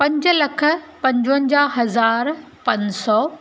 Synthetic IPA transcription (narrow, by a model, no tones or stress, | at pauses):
pɐ̃ɲd͡ʑə̆lɐkʰə̆pɐ̃ɲd͡ʑə̃ɲd͡ʑaːɦɐzaːɾ | pɐ̃ɲsɔː